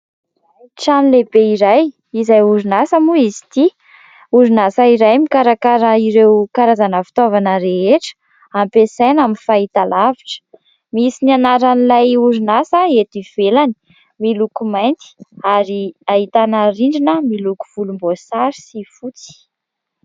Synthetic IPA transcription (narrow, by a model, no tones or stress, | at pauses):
ʈ͡ʂanilebeiɾaj | izajuɾinasəmuizi̥t̪i | uɾinasaiɾajmikaɾakaɾəiɾewkaɾazanəfi̥t̪ovanəɾeɦeʈ͡ʂə̥ | ampesajnaminfait̪alaviʈ͡ʂə̥ | misinianaɾanilajuɾinasəet̪iv̥elani̥ | milukumajnt̪i̥aɾiaɦit̪anəɾiɳɖ͡ʐinəmiluku̥v̥ulumbosaɾi̥sifut͡si̥